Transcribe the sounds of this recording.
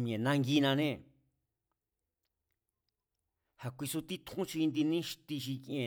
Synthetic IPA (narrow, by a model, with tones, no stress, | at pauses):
mĩ˧ẽ˨nã˧ŋɡi˧nã˧nẽ˦ | ha˧kʷi˧su˧t̪i˦t̪ʰũ˦ʃi˧nd̪i˧nĩ˦ʃi̥˧t̪i˧ʃi˧kẽ˨